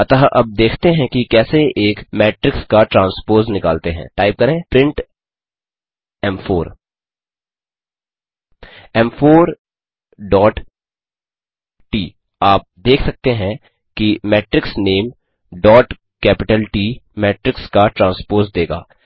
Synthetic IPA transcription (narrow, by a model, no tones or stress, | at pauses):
ɐt̪aɦʔɐb̚d̪eːkʰt̪eɦɛ̃kikɛːseʔeːkmɛːʈɾɪkskaʈɾãːnspoːznɪkaːlt̪eɦɛ̰̃ːʈaːɪb̚kɐɾẽːpɾɪ̃ɳʈ | ɛmfoːɾ | ɛmfoːɾ | ɖɔːʈ | ʈiː | aːp̚d̪eːkʰsɐk̚t̪eɦɛ̃ | kimɛːʈɾɪksneːm | ɖɔːʈ | kɛːpɪʈəlʈiːmɛːʈɾɪkskaʈɾãːnspoːzd̪eːɡa̰ː